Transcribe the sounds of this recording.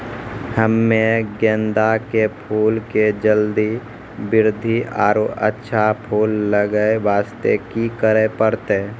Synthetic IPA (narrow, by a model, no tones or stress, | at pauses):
həmːeɡẽːnd̪akepʰuːlked͡ʒəld̪i | bɪɾd̪ʱiʔa̰ːɾoʔə̰tːʃʰapʰuːlːəɡəeʋaːst̪ekikəɾepəɾt̪e